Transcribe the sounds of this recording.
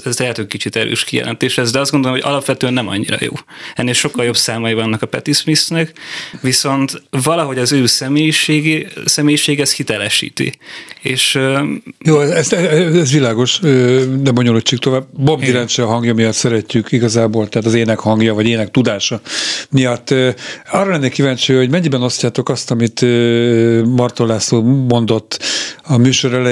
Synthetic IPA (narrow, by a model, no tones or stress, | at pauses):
ɛzt̪ɛɛt̪økkit͡ʃit̪ɛɾø̰ːʃkijɛ̰lʔɛ̰nt̪eːʃhɛzd̪ɛɒzdɡo̞nd̪olmoɟɒ̰lɒpʋɛt̪øːɛnːɛmɒ̰ɲːḭɾɒ̰jo̰ː | ɛnːeːlʃo̞kːɒljo̞bsaːmɒjivɒnːɒkɒpɛ̰t̪ismisnɛkʋiso̞nt̪vɒlɒɦo̞ɟɒzøːsɛmeːjiʃeːɡisɛmeːjiʃeːɡɛshit̪ɛlɛʃḭːt̪ḭeːʃ | joːɛzɛsɛɛɛzʋilaːɡo̞ʃønɛbo̞ɲoluct͡ʃːikt̪o̞vaːbbobd̪iɾɛnt͡ʃɛɒɦɒŋɡjɒmijɒt̪sɛɾɛcːykiɡɒzaːboːlt̪ɛɦaːt̪ɒzeːnɛkhɒŋɡjɒvɒɟeːnɛk̚t̪ud̪aːʃɒmijɒt̪ːɒrɒlɛnːɛkivaːɲt͡ʃijho̞ɟmɛɲːibɛno̞scaːt̪o̞kɒst̪ɒmit̪ø | mɒrt̪olaːsoːmo̞nd̪o̞t̪ːɒmyːʃo̞ɾɛlɛ